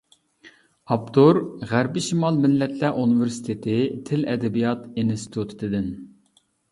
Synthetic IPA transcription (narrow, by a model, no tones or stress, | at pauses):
ɑpt̪ʰoɾʁæɾbɪʃimɑlˠmɪlːɛt̪ʰlæʔunɨvɪɾsi̥t̪ʰet̪ʰɪt̪ʰɪlɛd̪ɛbijɑt̪inst̪ʰi̥t̪ʰut̪ʰt̪ɪd̪ɪn